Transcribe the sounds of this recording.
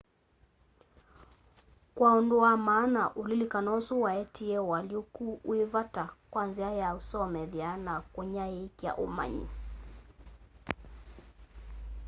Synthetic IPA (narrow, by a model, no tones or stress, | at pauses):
kwaɔndɔamaːnaʔulilikanɔsuwaɛtʰiɛwaliukuːivatakwanziajausɔmɛðianakɔɲaɛkja̰ʔuma̰ɲḭ